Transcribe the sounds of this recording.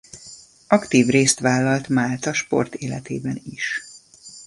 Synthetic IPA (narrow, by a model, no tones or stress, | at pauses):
ɒkt̪iːvreːst̪ʋaːlːɒlt̪maːlt̪ɒʃpo̞̰rt̪eːlɛt̪ḛːbɛniʃ